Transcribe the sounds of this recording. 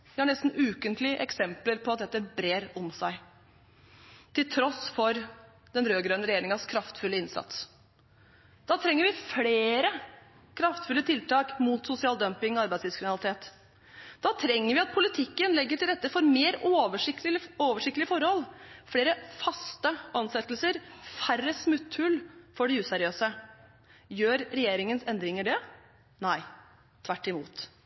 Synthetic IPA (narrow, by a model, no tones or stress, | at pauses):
ʋɪhɑɳɛst̪n̩ʉːkənt̪lɪəʔɛ̰ksɛmpləɾpʰɔɑt̪̚d̪ɛt̪ːəbɾeːɾɔmsæɪ | t̪ʰɪlt̪ʰɾɔsfɔɾ | d̪ɛnɾøːɡɾœnəɾɛjeːɾɪŋəskʰɾɑft̪fʉlːəɪnsɑ̰t̪s | d̪̥ɑːt̪ʰɾɛŋːəɾʋɪfɽeeːɾə | kʰɾɑft̪fʉlːət̪ʰɪlt̪ɑːkmut̪sʊsɪɑːld̪œmpɪŋɔɑɾbæɪslɪʋskɪnɑlɪt̪ʰeːt̪ | d̪̥ɑːt̪ʰɾɛŋːəɾʋɪɑt̪̚pʰʊlɪt̪ʰɪkːənlɛɡːəʈʰɪld̪ɛt̪ːəfɔɾmeːɾoʋəʂɪoːʋəʂɪk̚t̪lɪəfɔɾhɔlfleːɾəfɑst̪əɑnsɛt̪lsəɾfærəsmʉt̪ʰːʉlfɔɖɛʉːsɛɾɪøːsə | jøːɾɾɛjeːɾɪŋənsɛnd̪ɾɪŋəɖɛ | næɪ | t̪ʰʋæʈːɪmṵːt̪